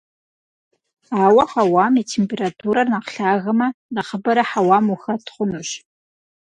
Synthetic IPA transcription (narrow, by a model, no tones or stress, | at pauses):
aːwɐħawaːmitʰempʰeratʰuɾɐrnaqɬaːɣɐmɐnaχəbɐɾɐħawaːmuxɐtχʷʊnuʃ